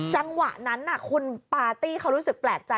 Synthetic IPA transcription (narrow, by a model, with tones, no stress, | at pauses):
t͡ɕa˧ŋwa̰˨˩ʔna˦˥nːa˨˩kʰu˧npaː˧t̪iː˥˩kʰa˦˥wɾuː˦˥sɯ˨˩k̚plɛː˨˩k̚t͡ɕa˧